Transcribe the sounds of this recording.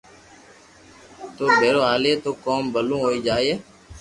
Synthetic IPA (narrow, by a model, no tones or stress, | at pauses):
t̪oːbʱeːɾoːaːleːt̪oːkoːmbəlũːɦoːiːd͡ʒaːeː